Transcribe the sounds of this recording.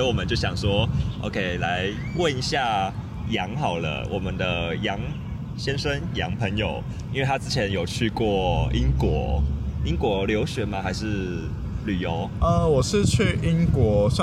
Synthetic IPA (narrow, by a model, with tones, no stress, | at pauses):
i˦˥wɔ˨mə˨nt͡ɕjo˥˩ʊɕjɑ˨˩ŋswɔ˦˥ʔo̰˧ʊkʰe˦˥ɪla˧˦ɪ | wə˥˨ni˧ɕja˥˩ | jɑ˧˥ŋxɑ˨˩ʊlə̰˦wʔɔ˨˩mə˨nd̪ə˨jɑ˧˦ŋ | ɕjɛ˦nʂə˦njɑ˧˥ŋpʰə˧˥ŋjo˨˩ʊ | i˦n̩we˥˩t̪ʰa˥t͡sɹ̩˥t͡ɕʰjɛ˨˧˦njo˨˩ʊt͡ɕʰy˥˧kwɔ˥˩i˦˥nkwɔ˧˥˦i˦˥ŋkwɔ˧˥ljo˧˥ʊɕɥɛ˨˥˦ma˨xa˧˥ɪʂɻ̩˥˩ | ly˨˩jo˧˦ʊə˨˩wɔ˨˩ʂɻ̩˥˧t͡ɕʰy˥˨ʔi˦ŋkwɔ˧˥sa˥˨